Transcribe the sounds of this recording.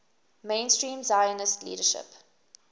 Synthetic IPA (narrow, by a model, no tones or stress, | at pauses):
mẽɪnstɹĩːmzaɪənəstlḭːɾəʃɪ̰p